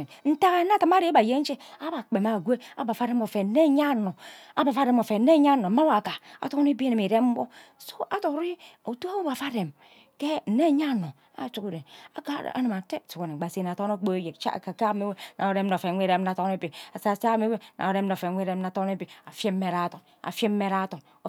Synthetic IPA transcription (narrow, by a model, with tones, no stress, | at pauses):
n̩˦ta˦ɣa˦n˦a˦˨ti˦m˦a˦ɾi˦ba˨je˦t͡ʃe˦a˦ba˨k͡pe˨ma˨ɡʷe˦a˦ba˨fa˦ɾe˦mo˨fe˨˦ne˦ɲa˦no˨a˨˦ba˨fa˦ɾe˨mo˨fe˨˦ne˦ɲa˦˨no˨ma˦wa˨ka˨a̰˨to˦n˦bi˦ni˨mi˨ɾe˦m̩˦bo˦so˦ʔa˦to˨˦ɾi˦o˨to˦a˦wba˨fa˦ɾe˨m | ke˦n̩˨ne˦˨ɲa˦˨no˨ | a̰˦˨t͡ʃu˦ku˨ɾe˨a˨ka̰˦˨a̰˦ni˨ma˨te˦˨tu˨ko˨ne˨ɡ͡ba˨si˨na˨to˦o˦k͡po˦je˨t͡ʃa̰˦˨ka˨ka˦me˦we˦nʔa˨o˨ɾe˦m˦no˨fe˨ŋʷe˦ɾe˦m˦na˨to˦e˦bi˨a˨sa˨sa˦˨me˦we˦nʔa̰˨o˨ɾe˦m˦no˨fe˨ŋʷ˦e˦ɾe˦m˦na˨to˦e˦bi˨a˨fe˦me˨ɾa˦to˨ŋ | a̰˨fe˦m˦me˦ɾa˦to˨ŋ | o˨